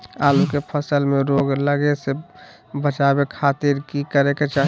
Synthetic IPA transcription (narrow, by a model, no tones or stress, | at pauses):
aːlukepʰəsəlmeɾoɡləɡese | bət͡ʃabekʰat̪iɾkikəɾeket͡ʃa